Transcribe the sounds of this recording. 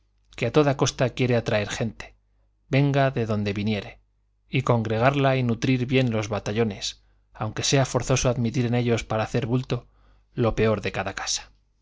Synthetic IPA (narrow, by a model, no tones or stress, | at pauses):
ke̞at̪o̞ðako̞st̪akje̞ɾe̞at̪ɾae̞ɾxe̞nt̪e̥ | be̞ŋɡaðe̞ðo̞nd̪e̞βinje̞ɾe̞ | iko̞ŋɡɾe̞ɣ̞aɾlainut̪ɾiɾβje̞nlo̞zβat̪aʎo̞ne̞s | awŋke̞se̞afo̞ɾθo̞soaðmit̪̬iɾe̞ne̞ʎo̞spaɾaːθe̞ɾβult̪o̞ | lo̞pe̞o̞ɾðe̞kaðakḁsḁ